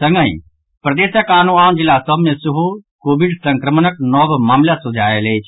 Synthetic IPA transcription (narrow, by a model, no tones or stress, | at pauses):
səŋɡə̃ḭ̃ | pɾəd̪eːsəkaːnuaːnd͡ʒɪlːasəbʱmẽsəɦukoːbiɖsəŋkɾəmənəknɔbmaːmljasʊd͡ʒʱaːelet͡ʃʰ